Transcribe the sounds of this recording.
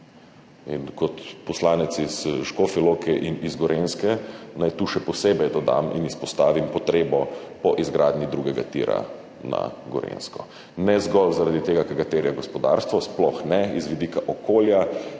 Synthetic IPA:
inkɔt̪pɔslaːnɛt̪siz̥ʃkofilokɛʔinizɡɔɾenskɛnajt̪uːʃɛpɔseːbɛjd̪ɔd̪a̰mḭnispɔst̪aːʋimpɔt̪ɾeːbɔpɔʔizɡɾaːd̪nid̪ɾuɡɛɡa̰t̪ḭɾa̰ | na̰ɡɔ̰ɾḛnskɔ | nɛzɡɔlzaɾad̪it̪eːɡakɛɾɡat̪eɾjaɡɔspɔd̪a̰ːɾst̪ʋɔsplɔxnɛizʋid̪ikaʔɔkoːlja

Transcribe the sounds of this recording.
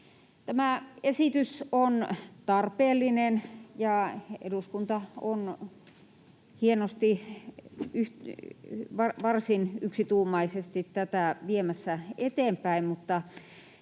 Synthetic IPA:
t̪æmæˑesit̪ysont̪ɑrpeːlːinenjɑḛduskunt̪ɑon | hienost̪i | yh | ʋɑʋɑrsinyksit̪uːmɑisest̪it̪tæt̪æˑʋiemæsːæet̪eˑmpæimmut̪ːɑ

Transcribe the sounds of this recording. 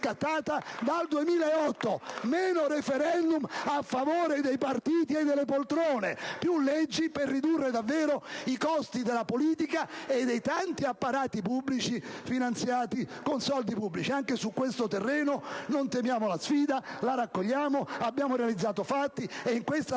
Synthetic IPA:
kat̪ːaːt̪ad̪ald̪uemiːlaeɔt̪ːomɛːnoɾefeɾɛnd̪umafːavoːɾed̪ejpart̪iːt̪ied̪ːelːepolt̪ɾoːnepjulɛd͡ʒːiperːid̪urːed̪avːɛːɾoikɔst̪id̪elapoliːt̪ikaed̪ːejt̪ant̪iapːaɾaːt̪ipublit͡ʃifinant̪sjaːt̪ikonsɔld̪ipubːlit͡ʃiaŋkesukːwest̪ot̪erːɛːnonont̪emjaːmolasfiːd̪alaɾakːoʎːaːmoabjaːmoɾealid̪zːaːt̪ofat̪ːieiŋkwest̪a

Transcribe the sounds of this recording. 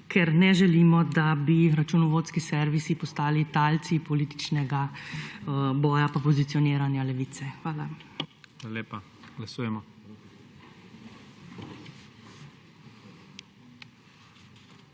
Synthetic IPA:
kʰɛɾnɛʒɛliːmɔd̪abiɾat͡ʃunɔʋoːt̪skisɛɾʋisipɔst̪aːlit̪alt̪sipɔliːt̪i̥t͡ʃnɛɡa | bɔːjapapɔzit̪sijɔniːɾanjalɛʋiːt̪sɛxʋaːla̰xʋalaleːpa | ɡ̥lasuːjɛmɔ

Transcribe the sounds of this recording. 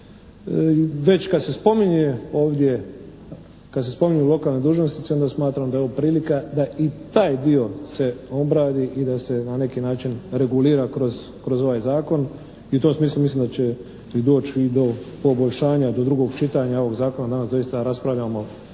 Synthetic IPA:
ʋe̞t͡ɕkad̪se̞spo̞miɲeo̞ːʋd̪je̞ | kad̪sespo̞miɲuulo̞kaːlned̪uːʒnost̪it̪seod̪asmaːt̪ɾamd̪ajoopɾiːlikad̪ait̪aːjd̪io̞se̞o̞bɾaːd̪iʔid̪ase̞nane̞kinaːt͡ʃinɾe̞ɡuliːɾakɾoz | kɾo̞zo̞ʋaːjzaːko̞n | iut̪o̞msmiːslˠumislimd̪at͡ɕe̞ | id̪o̞ːt͡ɕid̪o̞po̞boʎʲʃaːɲad̪o̞d̪ɾuɡo̞ɡt͡ʃit̪aɲao̞ʋo̞ɡzaːko̞nad̪anasd̪o̞ist̪aɾaspɾaʋʎamo̞

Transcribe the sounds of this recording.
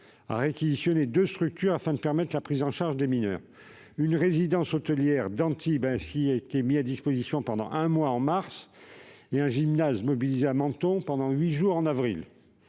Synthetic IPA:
a̰ʁekʲizisjɔned̪øst̪χyk̚t̪yʁafɛ̃d̪əpɛʁmɛt̪χlapχizɑ̃ʃaʁʒd̪eminœ̰ːʁ | ynʁezid̪ɑ̃sɔt̪əljɛʁd̪ɑ̃t̪ʰibɛ̃siaet̪emiad̪ispozisjɔ̃pɑ̃d̪ɑ̰̃ʔɛ̃mwaɑ̃maʁs | eɛ̃ʒimnazmɔbilizeamɑ̃t̪ɔ̃pɑ̃d̪ɑ̃ɥiʒuʁɑ̃navʁil

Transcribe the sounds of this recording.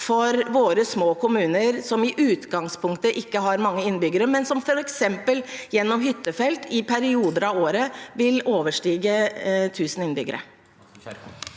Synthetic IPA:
fɔɾʋoːɾəsmoːkʰʊmʉːnəɾsɔmɪʔʉːt̪ɡɑŋspʰʊŋkt̪əʔɪkːəɦɑɾmɑŋːəɪnːbʏɡəɾəmɛnsɔmfɔɾɛksɛmpəljɛnːɔmɦʏt̪ːəfɛlt̪ʰɪpʰæɾɪuːd̪əɾɑʋoːɾəʋɪloːʋəʂʈiːɡət̪ʰʉːsən̩ɪnbʏɡə̰ɾə̰

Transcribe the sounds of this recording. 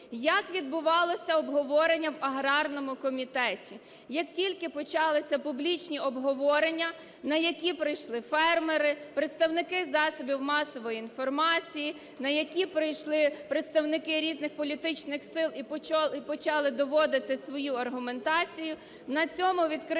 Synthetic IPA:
jɐkʋʲid̪̚bʊʋɑlˠɔsʲɐɔbɦɔʋɔɾenʲːɐwɐɦɾɑrnɔmʊkɔmʲit̪ɛtʲi | jɐktʲilʲkɪpɔt͡ʃɑlˠɪsʲɐpublʲit͡ʃnʲiɔbɦɔʋɔɾenʲːɐ | nɐjɐkʲipɾɪjʃlˠɪfɛrmeɾɪpɾet̪st̪ɐwnɪkɪzɑsɔbʲiwmɑsɔʋɔjiːnfɔrmɑt͡sʲiji | nɐjɐkʲipɾɪjʃlˠɪpɾet̪st̪ɐwnɪkɪɾʲiznɪxpɔlʲit̪ɪt͡ʃnɪxsɪlˠipɔipɔt͡ʃɑlˠɪd̪ɔʋɔd̪ɪt̪ɪsʋɔjuɐrɦʊme̞nt̪ɑt͡sʲijʊ | nɐt͡sʲɔmʊʋʲid̪kɾ

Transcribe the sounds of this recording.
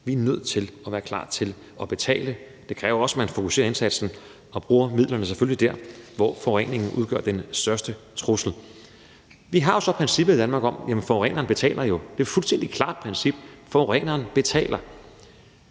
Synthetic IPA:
ʋiæɐnøð̰ˠt͡sʰe̝lɒʋæːɐkʰl̥ɑ̰̈ːt͡sʰe̝l | ɒ̽b̥e̝t͡sʰɛ̰ːlə | d̥e̝kʰʁɛːʊɐɒ̽smænfo̝kʰuse̝ːɐe̝nsæd̥sn̩ | ɒ̽b̥ʁuːɐmið̞̰ˠlɐnəs̬eføllid̥æɐ̰ʋɒfɒɛ̰ne̝ŋn̩ʔuð̞ˠɡ̥œ̰ɐ̰d̥ensd̥ɶɐsd̥ət͡sʰʁosl̩ | ʋiɦɑ̈jo̝sɒ̽pʰʁɛnsib̥ðˠid̥ænmɑ̈ːɡ̥ɒ̽mjæmənfɒʁɛ̰nɐːnb̥e̝t͡sʰɛ̰ːlɐjo̝d̥e̝æɐfulsd̥en̰d̥ikʰlɑ̈ːd̥̚pʰʁɛnsib̥fɒʁɛnɐːnb̥e̝t͡sʰɛ̰ːlɐ

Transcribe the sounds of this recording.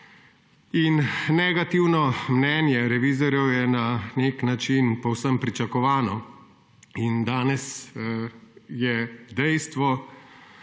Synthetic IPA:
inːɛɡat̪iwnɔmnɛːnjɛɾɛʋiːzɔɾjɛwjɛnaneknat͡ʃinpɔwsəmpɾit͡ʃakɔʋaːnɔ | ind̪aːnɛs | jɛd̪ɛjst̪ʋɔ

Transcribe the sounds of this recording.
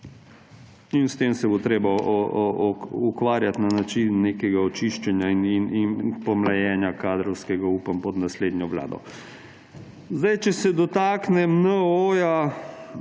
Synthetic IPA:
inst̪eːmsɛbot̪ɾeːba | ukʋaːɾjat̪nanat͡ʃinːeːkɛɡaɔt͡ʃiʃt͡ʃɛnjainininpɔmlajɛːnjakaːd̪ɾɔwskɛɡauːpampɔd̪nasleːd̪njɔʋla̰ːd̪ɔ̰ | zd̪ajt͡ʃɛsɛd̪ɔt̪aːknɛmnəoːja

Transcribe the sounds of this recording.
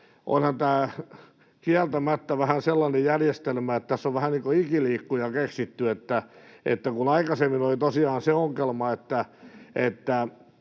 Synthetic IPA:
ʔo̰nhɑnt̪æː | kiælt̪æmæt̪ːæʋæhænselːɑnejjærjest̪elmæet̪t̪æsːoʋʋæhænniːŋkoikiliːkːujɑkeksit̪ːyet̪ːæḛt̪ːækunɑikɑsemːinolit̪osiɑːnseoŋkelmɑet̪ːæet̪ːæ

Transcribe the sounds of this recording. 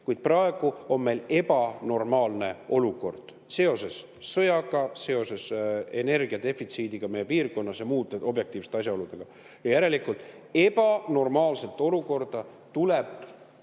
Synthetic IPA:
kujd̪̥̚prɑe̞ɡ̥uo̞nme̞jle̞bɑno̞rmɑːlne̞o̞luko̞rd̪̥ | se̞o̞se̞sː | ɤjɑɡɑse̞o̞se̞se̞ne̞rɡ̥iɑd̪e̞fit̪siːd̪iɡ̥ɑmejepiːrko̞nːɑsjɑmuːt̪ːˑeo̞bje̞k̚t̪ˑiːvst̪eɑs̬ʲjɑo̞lud̪̥e̞ɡ̥ɑ | jɑjæɾe̞likult̪ːˑ | e̞bɑno̞rmɑːlse̞lt̪ːˑo̞luko̞rd̪̥ɑ | t̪ule̞b

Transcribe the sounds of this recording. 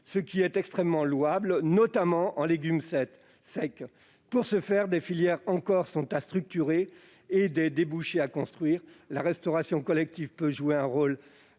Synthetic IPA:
səkʲiɛt̪ɛkst̪χɛmːɑ̃lwablnɔt̪amɑ̃ʔɑ̃leɡʲymsɛt̪ | sɛk | puʁsəfɛʁd̪efiljɛʁɑ̃kɔʁsɔ̃t̪ast̪χyk̚t̪yʁeː | d̪ed̪ebuʃeakɔ̃st̪χɥiːʁlaʁɛst̪ɔʁasjɔ̃kɔlɛk̚t̪ivpøʒueɛ̃ʁol

